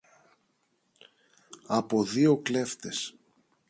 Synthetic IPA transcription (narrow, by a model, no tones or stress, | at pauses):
ɐpo̞ðio̞kle̞ft̪e̞s